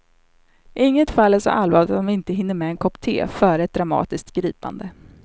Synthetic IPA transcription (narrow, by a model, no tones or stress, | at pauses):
ʔɪŋːət̪falːæʂɔ̰ʔalːvɑːlɪt̪ɔmvɪnt̪əɦɪnːəɾmɛɛnkʰɔpt̪ʰḛːfœːɾɛt̪̚d̪ɾamɑ̰ːt̪ɪsk̚t̪ɡɾiːpa̰nd̪ə